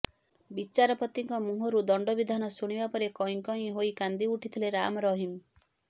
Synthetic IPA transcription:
bit͡ʃaɾɔpɔt̪iŋkɔmuɦɔɾud̪ɔɳɖɔbid̪ʱanɔsuɽ̃ibapɔɾekɔɦĩŋkɔɦĩɦoikand̪iuʈʰit̪ʰileɾamɔɾɔɦim

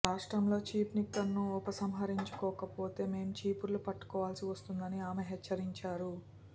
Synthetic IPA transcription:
ɾaːʂʈɾɐmlo̞ːt͡ʃiːpnikːɐɾnːuɔpɐsɐmɦɐɾiɲt͡ʃu̥kɔːkɐpo̞ːt̪e̞ːme̞ːmut͡ʃiːpuɾlupɐʈːu̥kɔːʋaːlsiʋɐst̪und̪ɐniaːmeɦet͡ʃːɐɾiɲt͡ʃaːɾu

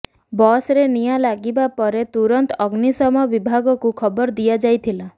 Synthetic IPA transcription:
bɔsɾenijalaɡibapɔɾet̪uɾɔnt̪ɔɡnisɔmɔbibʱaɡɔkukʰɔbɔɾd̪ijad͡ʒajt̪ʰila

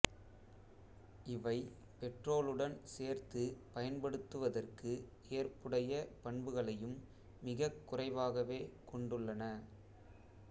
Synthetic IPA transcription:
ʔɪʋɐɪ | pɛʈroːɭɯɽɐnseːɾt̪ɯpɐjɐnpɐɽɯt̪ːɯʋɐðɐrkɯ | eːrpɯɽɐjɐpɐɳbɯɣɐɭɐjɯmː | ɪɣɐkːʊrɐɪʋaːɣɐʋeːkɔɳɖɯɭːɐnɐ

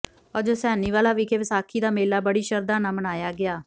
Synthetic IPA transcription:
ɔːɾd͡ʒoːsɛːniːʋaːlaːʋiːkʰeːʋɪsaːkʰiːd̪aːmeːlaːbəɽiːʃəɾd̪aːnãːmənaːjaːɡɪaː

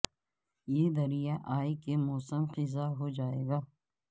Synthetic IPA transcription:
jeːd̪ɐɾijaʔaːikemɔːsəmqɪzaɦod͡ʒaːeːɡaː

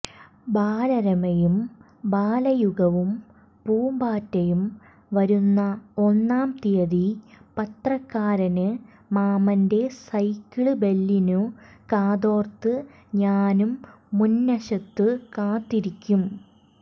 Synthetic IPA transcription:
baːlɐɾɐmɐjum | baːlɐjuɣɐʋum | puːmbaːtːɐjum | ʋɐɾunːɐo̞nːaːmt̪ijɐðipɐt̪rɐkːaːɾɐnɨ | maːmɐnde̞sɐjkːiɭɨbe̞lːinukaːðo̞ːrt̪ɨ | ɲaːnumː | unːɐɕɐt̪ːɨkaːt̪ːiɾikʲːum

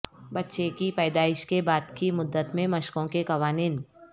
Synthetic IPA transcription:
bɐtːʃekipɛːd̪aːɪʃkebaːd̪kimʊd̪ːət̪mẽmɐʃkõkekɐʋaːniːn

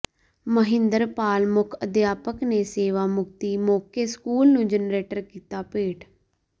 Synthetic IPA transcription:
məɦɪ̃nd̪əɾpaːlmʊkʰəd̪jaːpəkneːseːʋaːmʊk̚t̪iːmoːkeːskuːlnũːd͡ʒənɾeːʈəɾkiːt̪aːpeːʈ

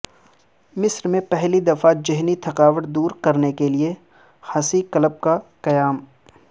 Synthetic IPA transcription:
mɪsɾmẽpɛɦlid̪ɐfad͡ʒɐɦnit̪ʰɐqaːʋəʈd̪uːɾkɐɾnekelie | hɐsikɐləb̚kaqɐjaːm

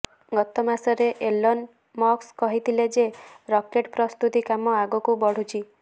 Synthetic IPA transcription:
ɡɔt̪ɔmasɔɾeʔelɔn | mɔkskɔɦit̪ʰiled͡ʒeɾɔkeʈpɾɔst̪ut̪ikamɔaɡukubɔɽ̤ut͡ʃʰi

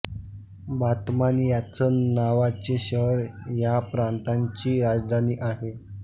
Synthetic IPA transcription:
bat̪manjat͡sənaʋat͡ɕeɕəɦɾjapɾant̪aɲt͡ɕiːɾad͡zd̪ʱaniːʔaɦe

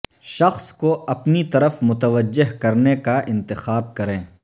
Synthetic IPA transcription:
ʃɐxskoʔɐpnit̪ɐɾəfmʊt̪əʋəd͡ʒːɪɦkɐɾnekaʔɪ̃nt̪ɪxaːb̚kɐɾẽː

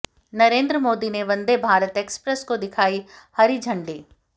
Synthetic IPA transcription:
nɐɾẽːnd̪ɾəmoːd̪ineʋɐ̃nd̪ebʱaːɾət̪eːkspɾəskod̪ɪkʰaːihɐɾid͡ʒʱɐ̃ɳɖiː

